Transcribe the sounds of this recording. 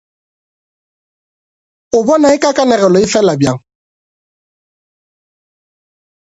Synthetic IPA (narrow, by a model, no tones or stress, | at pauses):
ʊbɔnaɪkakanɛɣɛlɔifɛlabjaŋ